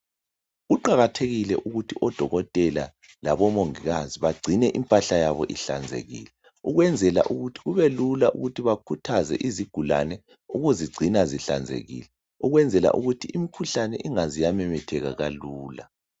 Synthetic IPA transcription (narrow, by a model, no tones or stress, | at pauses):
ɣuǃaɣatʰeɣilɛʔuɣutʰiʔɔd̥ʱɔɣɔtʼɛla̰ | laβɔmoŋiɣaziβaɡ͡ǀʱinɛʔimpʼaɬajaβɔʔiɬa̰nd͡zʱḛɣḭːlɛ | uɣwɛnd͡zʱɛla̰ʔuɣutʰi̥ɣuβelulaʔuɣutʰiβakʰutʰazɛ̰ʔiziɡ̥ʱula̰nɛ | uɣuziɡ͡ǀʱinaziɬa̰nd͡zʱḛɣḭlɛ | uɣwɛnd͡zʱɛla̰ʔuɣutʰiimikʰuɬanɛʔiŋazijamɛmɛtʰɛɣaɣaluːla